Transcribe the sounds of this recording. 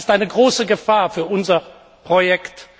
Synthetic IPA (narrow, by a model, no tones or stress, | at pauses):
stʔaɪnəɡʁoːsəɡəfaːɐfyːɐʔʊnzɐ | pʁ̥ojɛkt